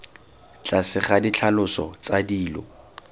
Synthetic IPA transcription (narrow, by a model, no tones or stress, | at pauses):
t͡ɬʼasɪχadit͡ɬʰalʊsɔ̰t͡sadiːlɔ̰